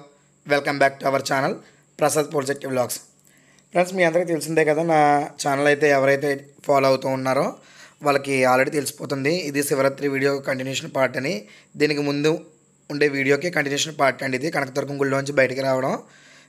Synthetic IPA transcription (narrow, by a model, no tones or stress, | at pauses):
ʋelkɐmbaːk̚ʈuɐʋɐɾt͡ʃaːnɐl | pɾɐsat̪̚poːd͡ʒek̚ʈiʋlaːks | pɾeɳsmiːɐnd̪ɐɾkit̪e̞lus̬ind̪eːkɐd̪aːnaːt͡ʃaːnɐlɐjt̪e̞ːɛʋɐɾɐjt̪e̞ːpʰaːlɐwut̪uːnːaːɾoː | ʋaːlɐkiaːlɾeɽiːt̪elusi̥poːt̪und̪iːd̪isiʋɐɾɐt̪ːɾiʋiːɽijoːkɐɳʈinjuːʂɐnpaːɾʈɐni | d̪iːnikimund̪uː | ɳɖe̞ːʋiːɽijo̞ːk̬ikɐɳʈinjuːʂɐnpaːɾʈɐɳɖid̪ikɐnɐkɐt̪ɐɾk̬uŋɡuɭlɐːuɲt͡ʃibɐjɐʈɐkiɾaːʋɐɽɐm